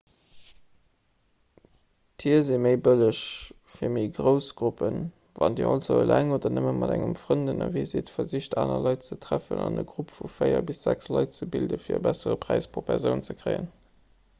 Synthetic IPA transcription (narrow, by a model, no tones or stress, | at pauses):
tʰiːɐzimeɪbələʃ | fiːɐmiːɡʁəʊsɡ̥ʁupən | vɑndḭːʔɑlzoʊlæŋoːdɐnəməmɑdæŋəmfʁəndənɑvizitfɐziɕtaːnɐlɑɪtt͡sətʰʁ̥æfə̰nɑnəɡʁupfufəɪɐbisz̥ækslɑɪt̚t͡səbildəfiːɐəbæsəʁəpʁ̥æɪspʁopʰæʁzjəʊnt͡səkʁ̥əɪə̰n